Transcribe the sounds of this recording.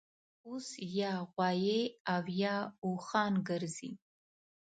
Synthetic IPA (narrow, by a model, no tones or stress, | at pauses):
usjaʁʷɑjejavjauχaːnɡɐrzḭ